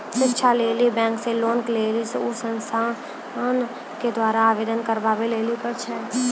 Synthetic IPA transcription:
sɪtːʃʰaleːlibɛ̃ːŋkseloːnkleːliseusə̃nst̪ʰa | n | ked̪waːɾaaːʋeːd̪ənkəɾbaːbeleːlipət͡ʃʰɛː

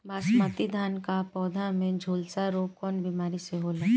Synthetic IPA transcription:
baːsmaːt̪id̪ʱaːnkapɔːd̪ʱamẽd͡ʒʱoːlsaɾoːkɔːnbimaːɾiseɦoːlaː

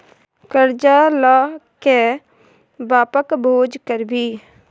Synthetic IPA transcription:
kəɾd͡ʒaːlaːke | baːpəkbʱoːd͡ʒkəɾbʱiː

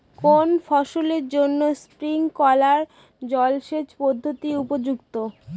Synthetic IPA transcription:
konfɔʃoleɾd͡ʑonːospɾiŋkɔlaɾ | d͡ʑɔlʃed͡ʑpɔd̪ʱːot̪iupod͡ʑukt̪o

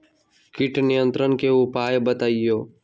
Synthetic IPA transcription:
kɪʈnɪjənt̪ɾənkeːʊpaːjbət̪aːijoː

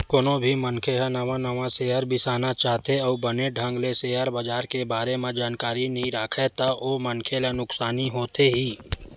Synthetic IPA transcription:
koːnobʱimənkʰeɦɛnɐʋãnɐʋãseːɦəɾbɪsaːnat͡ʃaːɦt̪eɔːbəneɖʱə̃ŋɡleseəɾbɐd͡ʒaːɾkebaːɾemẽd͡ʒaːnkaːɾinɐɦĩɾaːkʰet̪aʔoːmənkʰelenʊksaːniɦoːt̪eɦiː

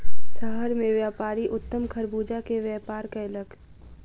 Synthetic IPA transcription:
səɦəɾmẽʋjaːpaːɾiʔʊt̪ːəmkʰəɾbuːd͡ʒakeʋjɛːpaːɾkaləɡ

